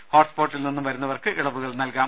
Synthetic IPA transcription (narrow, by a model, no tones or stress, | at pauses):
hoːʈspoːʈːilninːumʋɐɾunːɐʋɐrkɨʔiɭɐʋuɣɐɭnɐlkaː